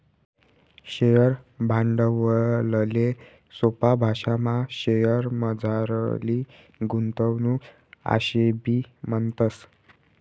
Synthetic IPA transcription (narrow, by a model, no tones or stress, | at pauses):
ɕejəɾbʱãɳɖəʋələle | sopabʱaʂamaɕejəɾməd͡zʱaɾli | ɡunt̪əwnu | a̰ɕebiːmənt̪əs